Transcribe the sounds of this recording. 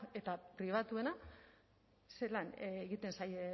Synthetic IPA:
e̞t̪apɾiβ̞at̪ue̞na | se̞lanːɣit̪e̞nsaj

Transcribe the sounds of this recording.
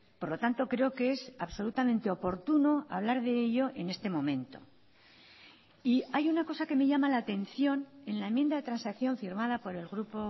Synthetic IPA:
po̞ɾlo̞t̪ant̪o̞kɾe̞o̞keesaβso̞lut̪amẽ̞nt̪e̞o̞po̞ɾt̪uno̞a̰βlaɾðe̞eʎo̞ʔe̞ne̞st̪e̞mõ̞mẽ̞nt̪o̞̰ | iajunako̞sake̞me̞ʝamalaːt̪e̞nθjo̞ne̞nlaemje̞nd̪aðe̞t̪ɾansakθjõ̞ɱfiɾmað̞apo̞ɾe̞lɣɾupo̞

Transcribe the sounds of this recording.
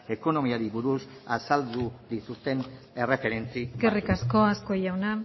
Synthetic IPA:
e̞ko̞no̞miaɾiβuɾusasald̪ud̪it̪ust̪e̞n | e̞re̞fe̞ɾe̞nt͡sikerikasko̞asko̞ʝawna

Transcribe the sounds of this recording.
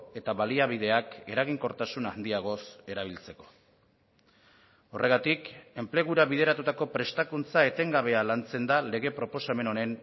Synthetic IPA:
e̞t̪aβaliaβ̞ið̞e̞ake̞ɾaɣ̞iŋko̞ɾt̪asunand̪iaɣ̞o̞se̞ɾaβ̞ilt͡seko̞̥ | o̞rʔe̞ɣat̪ike̞mple̞ɣ̞uɾaβið̞e̞ɾat̪ut̪ako̞pɾe̞st̪akunt͡sae̞t̪e̞ŋɡaβe̞alant͡se̞nd̪ale̞ɣe̞pɾo̞po̞same̞no̞ne̞n

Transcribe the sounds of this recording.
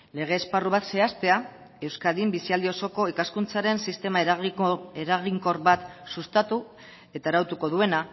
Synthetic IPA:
le̞ɣ̞e̞ːsparuβat̪se̞ast̪e̞a | e̞wskaðimbisiald̪io̞so̞ko̞ikaskunt͡saɾe̞nsist̪e̞ma | eɾaɣiŋko̞rβat̪sust̪at̪u | e̞t̪aeɾawt̪uko̞ðue̞na

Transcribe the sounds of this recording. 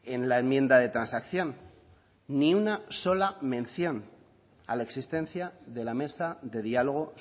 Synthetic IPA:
e̞nlae̞mjẽ̞nd̪aðe̞t̪ɾansakθjõ̞nː | iunaso̞lamẽ̞nθjo̞n | a̰lae̞ksist̪ẽ̞nθjaðe̞lame̞saðe̞ðialo̞ɣ̞o̞

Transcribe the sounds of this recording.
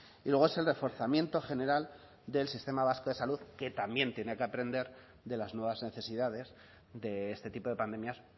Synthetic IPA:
ilweɣoe̞se̞lre̞fo̞ɾθamje̞nt̪o̞χe̞ne̞ɾal | d̪e̞lsist̪e̞maβ̞askoðe̞saluðke̞t̪ambje̞nt̪jenekeapɾe̞nd̪e̞ɾ | ðe̞laznwe̞β̞azne̞θe̞siðaðe̞z | d̪e̞est̪e̞t̪ipo̞ðe̞pand̪e̞mjas

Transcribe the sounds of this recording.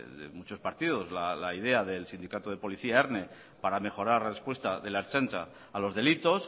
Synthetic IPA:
ðḛmut͡ʃo̞spaɾt̪ið̞o̞zlalaið̞e̞aðe̞lsind̪ikat̪oð̞e̞po̞liθiaeɾne | paɾame̞xo̞ɾaɾrespwest̪aðe̞leɾt͡ʃent̪ɾaː | lo̞zðe̞lit̪o̞s

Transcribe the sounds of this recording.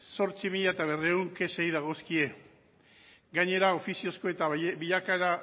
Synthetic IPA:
so̞ɾt͡simiʎaet̪aβ̞e̞reuŋke̞se̞jðaɣ̞o̞skie̞ | ɡaɲe̞ɾao̞fisio̞sko̞e̞t̪abiʎakaeɾa

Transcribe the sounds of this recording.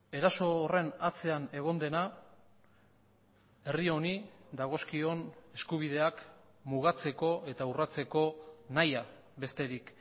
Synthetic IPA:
e̞ɾaso̞ːre̞nat͡se̞ane̞ɣ̞o̞nd̪e̞na | e̞rio̞nid̪aɣ̞o̞skio̞ne̞skuβ̞iðe̞ak | muɣat͡se̞ko̞e̞t̪aurat͡se̞ko̞naja | βe̞st̪e̞ɾik

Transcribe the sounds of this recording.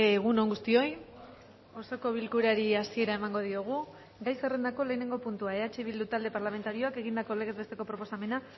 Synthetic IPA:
ɣ̞unoŋɡust̪io̞j | o̞so̞ko̞βilkuɾaɾiasie̞ɾae̞maŋɡo̞ð̞ioɣ̞u | ɡajsere̞nd̪ako̞le̞ːne̞ŋɡo̞punt̪uae̞at͡ʃe̞βild̪ut̪ald̪e̞paɾlame̞nt̪aɾio̞ake̞ɣ̞ind̪ako̞le̞ɣe̞zβe̞st̪e̞ko̞pɾo̞po̞same̞na

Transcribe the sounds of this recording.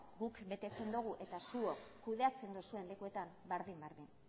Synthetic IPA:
ɡukbe̞t̪e̞t͡se̞nd̪uɣ̞uʔe̞t̪asuo̞kːuð̞e̞at͡se̞nd̪osue̞nle̞kue̞t̪am | beɾðimbeɾðin

